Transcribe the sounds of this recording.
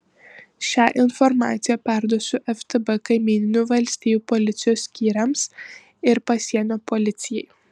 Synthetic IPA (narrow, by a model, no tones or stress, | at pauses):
ʃʲæːʔɪnfɔɾmɑ̰ːt̪sʲɪjɛpʲæˑɾd̪oɔsʲʊʔɛft̪ɨbɛkɐɪmʲiːnʲɪnʲuːʋɐlʲsʲt̪ʲiːjuːpolʲɪt̪sʲɪjoːsːʲkʲiːɾʲɐms | ɪɾpɐsʲiɛnoːpolʲɪt̪sʲɪjɛɪ